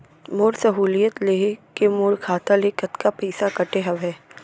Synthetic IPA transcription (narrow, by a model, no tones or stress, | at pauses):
moːɾsɐɦuːlijət̪leːkemoːɾkʰaːt̪alekət̪kapɛːsakɐʈeɦɐʋɦɛː